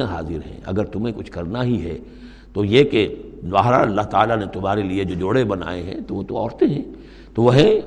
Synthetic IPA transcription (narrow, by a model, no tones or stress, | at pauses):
ãɦaːzɪɾɦɛ̰̃ːʔɐ̰ɡəɾt̪ʊmẽkʊt͡ʃʰkɐɾnaɦiɦɛ | t̪ojeke | ʋaːɦɾa̰ɐlːaɦt̪a̰ːlanet̪ʊmaːɾelied͡ʒoːd͡ʒoːɽebɐna̰ːeɦɛ̰̃t̪oʋot̪oɔːɾt̪eɦɛ̃ː | t̪oʋɐɦɛ̃